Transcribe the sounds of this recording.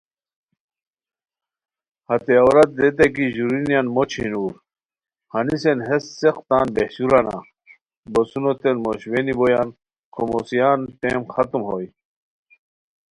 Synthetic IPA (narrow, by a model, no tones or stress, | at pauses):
hɐt̪eɐwɾɐt̪̚d̪et̪̬ek̬iʑuɾinjanmot͡ɕʰinuːɾ | hɐnisenɦesːeqt̪aːnbehɕuɾɐna̰ | bosunot̪enmoɕwenibojan | kʰomosijaːnt̪eːmxɐt̪umɦoj